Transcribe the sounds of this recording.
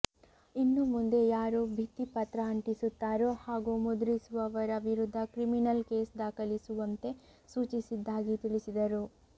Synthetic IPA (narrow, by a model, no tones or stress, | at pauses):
inːumund̪e̞jaːɾubʱit̪ːipɐt̪ɾɐɐɳʈisut̪ːaːɾuhaːɡumud̪ɾisuʋɐʋɐɾɐʋiɾud̪ʱːɐkɾiminɐlke̞ːsd̪aːkɐlisuʋɐnt̪e̞ | suːt͡ʃisid̪ːaːɡit̪iɭisid̪ɐɾu